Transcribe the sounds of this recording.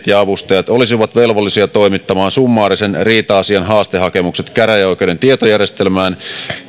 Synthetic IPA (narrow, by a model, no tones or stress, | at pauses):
t̪jɑɑʋust̪ɑjɑt̪olisiʋɑt̪ʋe̞lʋolːisiɑt̪o̞imit̪ːɑmɑːnsumːɑːɾisenriːt̪ɑːsiɑnɦɑːst̪eɦɑke̞mukset̪kæɾæjoikedent̪iet̪ojærjest̪elmæːn